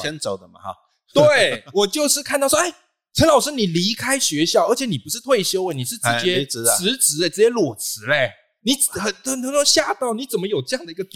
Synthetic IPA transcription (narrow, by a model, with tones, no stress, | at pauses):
ɛ˦˥nt͡so˨˩ʊd̪ə˦mɐ̰˧˩ | t̪we˥˩ɪwɔ˨˩t͡ɕjo˥˧ʊʂɻ̩˥˧kʰa˥˧nt̪ɑ˥˩ʊwʔe˥˩ɪ | ʈ͡ʂʰə˧˥ŋlɑ˨˩ʊʂɻ̩˥ni˨˩li˧˥kʰa˥ɪɕɥɛ˧˥ɕjɑ˥˩ʊə˧˥t͡ɕʰjɛ˧˥˦ni˨˩pu˧˦ʂɻ̩˥˧t̪ʰwe˥˩ɪɕjo˥ʊwə˥˩ni˨˩ʂɻ̩˥˩ʈ͡ʂɻ̩˧˥t͡ɕjɛ˥˧˦ɻ̩˧˥t͡sɻ̩˧˥˧ʈ͡ʂɻ̩˧˥t͡ɕjɛ˥lwɔ˨˩t͡sɹ̩˧˥le˥˧˩ | ni˨˩xə˨˩nt̪ə˨nt̪ʰo˧˥ŋʰo˥ŋɕja˥˧˨t̪ɑ˥˩ʊni˨˥t͡sə˨˩nmə˦jo˨˩ʊʈ͡ʂɤ˥˧jɑ˥˩ŋd̪ə˩i˧˥ɡə˨˩t̪